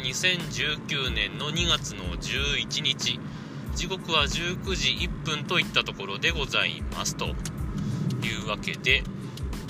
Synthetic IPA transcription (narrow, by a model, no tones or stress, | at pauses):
ɲisẽ̞ɲd͡ʑɨːkʲɨːnẽ̞nːo̞ɲ̟iɡat͡sɨno̞d͡ʑɨːit͡ɕiɲ̟it͡ɕi | d͡ʑiɡo̞kɯ̟βaʑɨːkɯ̟ʑiʔipːɯ̟̃nt̪o̞it̪ːat̪o̞ko̞ɾo̞d̪e̞ɡo̞zaḭma̰sɨ̥t̪o̞̰ | jɯːβake̞̰d̪e̞